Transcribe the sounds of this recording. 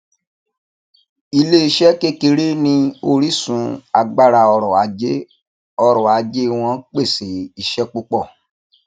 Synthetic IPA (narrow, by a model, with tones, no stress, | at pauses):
i˧le˦i˧ʃɛ˦ke˦ki˧ɾi˦nĩ˧o˧ɾi˦sũ˨˦a˨˧ɡ͡ba˧ɾa˧ɔ˧ɾɔ˨a˨e˦ | ɔ˧ɾɔ˨a˨˦d͡ʒe˦w̃ɔ̃˧˦k͡pe˦˨se˨˦i˦˨ʃɛ˦k͡pu˦k͡pɔ˦˨